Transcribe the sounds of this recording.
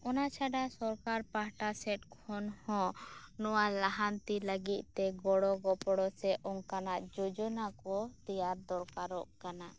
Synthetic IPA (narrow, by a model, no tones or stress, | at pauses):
ɔnat͡ʃʰaɖasɔɾkaɾpaɦʈasɛʈ̚kʰɔnhɔ̃nɔwalaɦant̪iləɡit̪̚t̪ɛɡɔɽɔɡɔpɔɽɔsɛʔɔŋkanaʔd͡ʒɔd͡ʒɔnakɔd̪ɛjaɾd̪ɔɾkaɾɔʔkana